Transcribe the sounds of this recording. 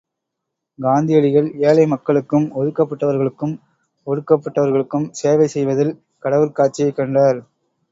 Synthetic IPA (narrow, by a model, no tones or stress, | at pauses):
ɡaːnd̪ɪjɐɭɪɣɐɭeːlɐɪmɐkːɐɭɯkːɯmɔðɯkːɐpːɐʈːɐʋɐɾɣɐɭɯkːɯm | ɔɾɯkːɐpːɐʈːɐʋɐɾɣɐɭɯkːɯmseːʋɐɪsɛjʋɐðɪl | kɐɽɐʋɯlkaːʈ̚t͡ʃːɪjɐɪkːɐɳɖaːɾ